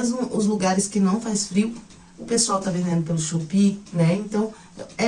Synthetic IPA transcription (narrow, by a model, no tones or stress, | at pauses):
ezmʊʔʊzluɡaɾɪskɪnɐ̃w̃fasfɾiʊ | ʊpesuawt̪avẽd̪ẽnd̪ʊpelʊʃupinɛẽnt̪ɐ̃w̃ | ɛ